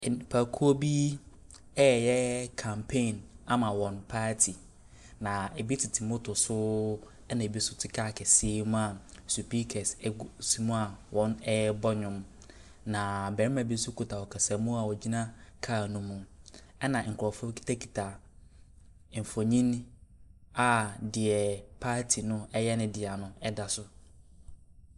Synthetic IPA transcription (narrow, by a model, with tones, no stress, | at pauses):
pʰa˨kʰu˦o˦bi˦ | ɛ˦˨jɛ˦kʰã˨mpʰẽ˦˨na˦mã˨wɔ̃˨npʰaː˦tʰi˨ | nã˨e˨bi˦tʰɪ˨tʰɪ˨mʊ̃˦tʰʊ˨sʊ˦ | ɛ˦nã˨e˨bi˦sʊ˦tʰɪ˦kʰaː˦˨kʰɛ˨se˦mũ˦a˨su˨pi˦kʰɛ˨ssi˦mũ˦a˨wɔ̃˦nɛ˦bɔ˦ɲʊ̃˦m | nã˨bɛ˨ɾɪ˦mã˨bi˦sʊ˦kʰu˦tʰa˨wɔ˨kʰɛ˨sa˨˦mũ˦a˨wɔ˨d͡ʑi˦nã˦kʰaː˦˨nũ˦mũ˨ | ɛ˦nã˨ŋ̩˨kʰʊ˨ɾɔ˨fʊ˦kʰi̥˦tʰa˦kʰi̥˨tʰa˨ | fo˨ɲĩ˦n | a˦˨dɪ˨ɛ˨pʰaː˦tʰi˨nʊ̃˦ɛ˦jɛ˦nʊ̃˦dɪ˨a˨nʊ̃˦ɛ˦da˨sʊ˦